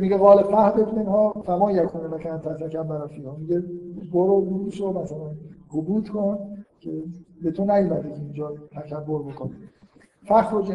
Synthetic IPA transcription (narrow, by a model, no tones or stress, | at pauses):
miɟeɣɒːlefʰæhd̪et̪menhɒːfæmɒːnjækʰuːnenækʰænt̪ʰæt̪ækæmbæɾɒːfiːhɒːmiɟeboɾobuɾuːʃomæsælænɡobuːd̪kʰoncʰebet̪ʰonæjuːmæd̪ekʲʰeind͡ʒɒːt̪ʰækʰæbːoɾbokʰoni | fæxɾod͡ʒe